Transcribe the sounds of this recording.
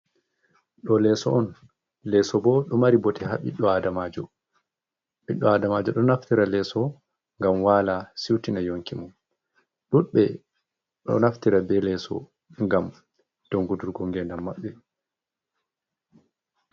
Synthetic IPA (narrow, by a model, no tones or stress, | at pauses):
ɗɔlɛsɔʔɔn | lɛsɔbɔɗɔmaɾibɔtɛɦaɓḭɗːɔadamad͡ʒɔ | ɓiɗːɔadamad͡ʒɔɗɔnaftiɾalɛːsɔ | ŋɡamwalasiwtinajoŋkimɔn | ɗuɓɛ | ɗɔ̰naftiɾabɛlɛsɔ̰ | ŋɡam | d̥ɔŋɡuduɾɡɔŋɡɛndamːaɓːɛ